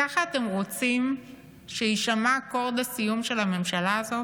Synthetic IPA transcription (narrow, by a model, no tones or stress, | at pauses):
aχaːt̪e̞mʁo̞t͡sim | ʃeiʃamako̞ʁd̪asijumʃe̞lame̞mʃalaːzo